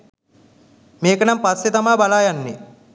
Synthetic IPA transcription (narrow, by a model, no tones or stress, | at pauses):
meːkənampasːet̪amaːbalaːjanːe